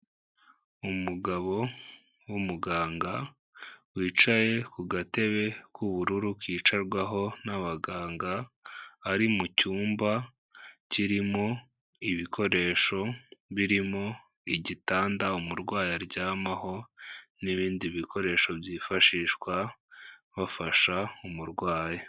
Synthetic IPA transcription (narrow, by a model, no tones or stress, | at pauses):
umuɡaβo̞ | wumuɡaːŋɡa | wiːt͡ʃaje̞kuɡate̞βe̞kuβuɾuɾukiːt͡ʃaɾɡwaɦo̞naβaɡaːŋɡaː | ɾimucuːmba | ciɾimo̞ | iβikʰo̞ɾe̞ːʃo̞βiɾimo̞ | iɟitaːndaumuɾɡwaːjaɾɟaːmaho̞niβiːndiβikʰo̞ɾe̞ːʃo̞bjiːfaʃiːʃkwa | βafaʃaumuɾɡwaːja